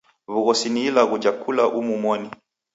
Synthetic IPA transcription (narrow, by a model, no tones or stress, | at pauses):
βuɣɔsiniːlaɣud͡ʒakʰulaʔumumwɔni